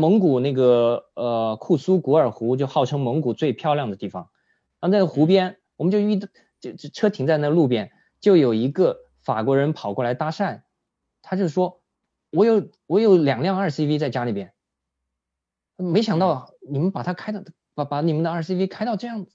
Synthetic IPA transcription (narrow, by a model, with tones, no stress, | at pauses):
mɤ˧˥ŋku˨˩na˥˩ɡə˩ə˧kʰu˥˩su˥ku˧˥ə˞˨˩xu˧˥t͡ɕjo˥˧ʊxɑ˥˩ʊʈ͡ʂʰɤ˥ŋmɤ˧˥ŋku˨˩t͡swe˥˧ɪpʰjɑ˥˧ljɑ˥˩ŋd̪ə˩t̪i˥˩fɑ˩ŋ | na˥˧˥t͡sa˥˧˩xu˧˥pjɛ˥n | wɔ˨˩mə˦nt͡ɕjo˥˧ʊy˥˧˩ | ʈ͡ʂʰɤ˥t̪ʰi˧˥ŋt͡sa˥˧ɪna˥˩ɡə˧lu˥˧pjɛ˥˩n | t͡ɕjo˥˩ʊjo˨˩ʊi˧˥ɡə˧ | fa˨˩kwɔ˧˥ɻə˧˥npʰɑ˨˩ʊkwɔ˥˩la˧˥ɪt̪a˥ʂa˥˩n | t̪ʰa˥t͡ɕjo˥˩ʊʂwɔ˥ | wɔ˧˥jo˨˩˥ʊ | wɔ˧˥jo˧˩ʊljɑ˨˩ŋljɑ˥˧ŋə˞˥˩si˥fi˥t͡sa˥˩ɪt͡ɕja˥li˨˩pjɛ˥n˥˩ | me˧˥ɪɕjɑ˨˩ŋt̪ɑ˥˩ʊni˨˩mə˦npa˨˩t̪ʰa˥kʰa˥ɪt̪ | pa˧˩pa˧˥ni˨˩mə˦nd̪ə˧ə˞˥˩si˥fi˥kʰa˥ɪɑ˥˧ʊʈ͡ʂɤ˥˧jɑ˥˩ŋd͡z